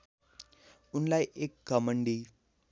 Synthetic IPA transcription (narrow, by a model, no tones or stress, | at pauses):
unlajʔekːɐmɐɳɖi